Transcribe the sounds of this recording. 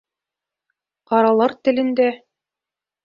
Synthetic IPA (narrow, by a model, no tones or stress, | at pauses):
qɑɾɑlˠɑɾt̪ɘ̆lɘ̆nd̪æ